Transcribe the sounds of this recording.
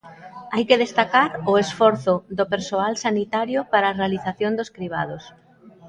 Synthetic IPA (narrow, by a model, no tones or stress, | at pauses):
ajkeðest̪akaɾʊesfɔɾθʊðopeɾsoalsanit̪aɾjʊpaɾaːrealiθaθjond̪oskɾiβa̰ð̞os